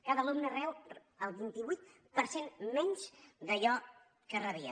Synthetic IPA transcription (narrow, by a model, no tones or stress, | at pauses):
kaðəlumnərɛw | əlˠβint̪iβujt̪ | pəɾsenmɛɲʲt͡ʃd̪əʎɔ | kərəβiə̰